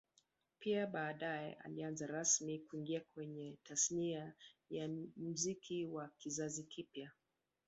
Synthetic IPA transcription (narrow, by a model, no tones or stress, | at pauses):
piaɓaːɗajɛ̰ʔa̰lianzaɾasmikuiŋɡiakwɛɲɛtʰasniajam̩zikʰiwakizazikʰipja